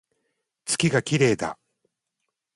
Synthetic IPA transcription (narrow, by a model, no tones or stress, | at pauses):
t͡sɨ̥kʲiɡakʲiɾe̞ːd̪a̰